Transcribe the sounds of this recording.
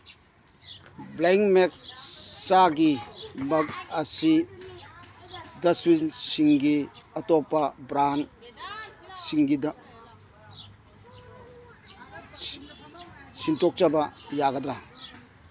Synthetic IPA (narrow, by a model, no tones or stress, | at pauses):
bleŋmek̚t͡ʃaɡimɐkɐsi | dɐswinsiŋɡiɐtɔpabɾan | siŋɡid | sintɔk̚t͡ʃabajaɡad̪ɾa